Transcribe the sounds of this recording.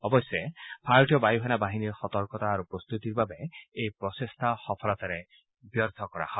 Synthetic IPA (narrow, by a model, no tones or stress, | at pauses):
ɔbɔsjepʰajʈijɔbajuɦɛnabaɦiniɾxɔt̪ɔɾkɔt̪aːɾupɾɔst̪ut̪iɾbabeejpɾɔsest̪ʰaxɔpʰɔlɔt̪aɾe | bjɔɾd̪ʱɔkɔɾa̰hɔ